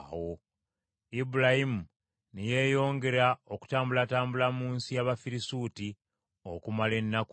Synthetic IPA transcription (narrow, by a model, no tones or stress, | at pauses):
wo̞ | ibuɾahimu | nije̞ːjo̞ːŋɡe̞ɾao̞ku̥taːmbulataːmbulamuːnsijaβafiɾisuːti | okumale̞nːaku